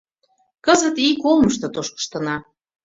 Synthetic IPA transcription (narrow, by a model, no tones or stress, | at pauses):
kəzə̆t̪ikolˠməʃ̬t̪ŏt̪oʃkə̥ʃt̪ɤ̆nɑ